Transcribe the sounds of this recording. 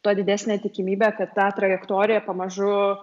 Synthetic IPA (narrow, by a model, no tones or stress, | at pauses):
t̪oːd̪ʲɪd̪ʲæːsʲnʲæːt̪ʲɪkʲɪmʲiːbʲæːkɐt̪t̪ɑːt̪ɾɐjɛkt̪oːɾʲɪjɛpɐmɐʒʊ